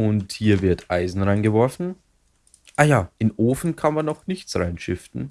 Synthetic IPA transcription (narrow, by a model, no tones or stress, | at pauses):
ʊnthiːɐvɪɐtʰʔaɪzn̩ʁaɪnɡəvɔɐfn̩ | ʔaːjaːʔɪnʔoːfn̩kʰanmanːɔχnɪçtt͡sʁaɪnʃɪftn̩